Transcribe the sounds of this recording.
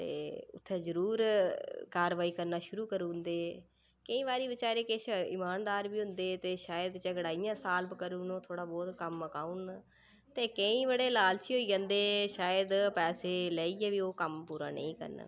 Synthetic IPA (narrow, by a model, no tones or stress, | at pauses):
t̪ḛːʊ̰t̪ʰːeːzəɾuːɾkaːɾʋaːiːkəɾnaːʃʊɾuːkəɾũːnd̪eː | kəĩːʋaːɾiːbɪt͡ʃaːɾeːkɪt͡ʃɪ̰maːnd̪aːɾʋiːɦʊ̃nd̪eːt̪eːʃaːjəd̪t͡ʃəɡəɽaːijãːsaːlbkəɾuːnoːt̪ʰoːɽaːbɔːt̪kəməkaːun | t̪eːkəĩːʋəɽeːlaːlt͡ʃiːɦoːiːd͡ʒãːnd̪eːʃaːjəd̪pɛːseːlɛːiːɛːʋiːoːkəmpuːɾa̰ːnə̰̃ĩːkə̰ɾn̰